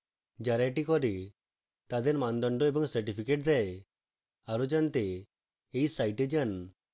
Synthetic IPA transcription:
d͡ʒaɾaʈikɔɾi | t̪ad̪ɛɾmand̪ɔɳɖɔɛbɔŋsɛɾʈipʰikeʈ̚d̪ɛj | aɾud͡ʒant̪e | ejsajʈɛd͡ʒan

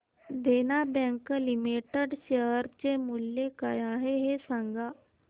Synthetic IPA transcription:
d̪eːnaːbɛ̃ŋklimiːʈəɖʃəːɾt͡ɕemuljekəjãɦeɦesãŋɡaː

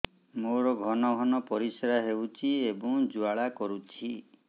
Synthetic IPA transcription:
moɾɔɡʱɔnɔɡʱɔnɔpɔɾisɾaɦewt͡ʃʰiebɔŋd͡ʒuaɭakɔɾut͡ʃʰi

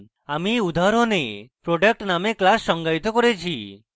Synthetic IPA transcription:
amiud̪ʱaɾonepɾoɖek̚ʈnameklasːɔŋɡait̪ɔkɔɾet͡ʃʰi

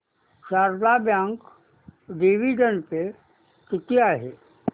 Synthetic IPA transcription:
ʃaːɾd̪abjãːŋk | ɖiʋid͡ʒənpe | tɪt̪ijaɦɛː

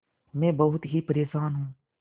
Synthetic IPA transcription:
mɛ̃ːbɐɦʊt̪ɦipəɾeːʃaːnɦũː

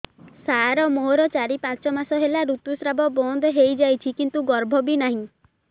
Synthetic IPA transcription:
saɾɔmoɦoɾɔt͡ʃaɾipãt͡ʃɔmasɔɦelaɾut̪usɾabɔbɔnd̪ʱɔɦejd͡ʒajt͡ʃʰikint̪uɡɔɾbʱɔbinaɦĩ

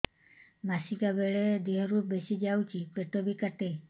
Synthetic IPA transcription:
masikabeɭed̪iɦɔɾubesid͡ʒawt͡ʃipeʈobikaʈe

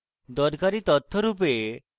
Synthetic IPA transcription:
d̪ɔɾkaɾit̪ɔt̪ʰːɔɾup̬e

